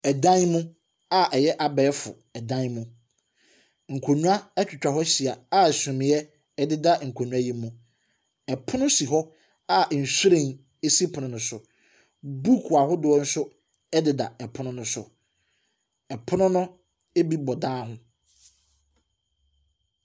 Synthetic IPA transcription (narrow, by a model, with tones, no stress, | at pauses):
ɛ˨dã˦nmʊ̃˦ | a˨ʔɛ˨jɛ˦ʔa˨bɛː˨˦fʊ̰˨ | ɛ˨dã˦nmũ˦ | ŋ̩˨kʰo˨ɲũ˦a˦ɛ˦t͡ɕᶣʊ˨t͡ɕᶣa˨ɦɔ˦ɕi˨a˨a˦˨sʊ̃˨mɪ̃˨jɛ˦ | ɛ˦˨dɪ˦da˦ŋ̩˨kʰo˨ɲũ˦a˦ji˦mũ˦ | ɛ˨pʰʊ˦nʊ̃˦si˨ɦɔ˦ | a˦˨n̩˨su˦ɾẽ˦˨n | e˦si˦pʰʊ˨nʊ̃˨nʊ̃˨sʊ˨ | bu˦kʰu˨a˨ɦʊ˦dʊ˨ɔ˦n̩˦sʊ˦ | ɛ˦dɪ˨da̰˨ɛ˨pʰʊ˦nʊ̃˦nʊ̃˦sʊ̰˨ | ɛ˨pʰʊ˦nʊ̃˦nʊ̃˦ | e˦bi˦bɔ˨dãː˦ɦʊ̃˦